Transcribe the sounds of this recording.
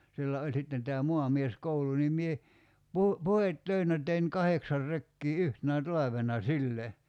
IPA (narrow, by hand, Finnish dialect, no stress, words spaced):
silːæ olʲ sitːen tæː muɑmieskoulu nim mie pu puhetːøinæ tein kɑheksɑr rekːiː yhtenæ tɑlɑʋenɑ silːe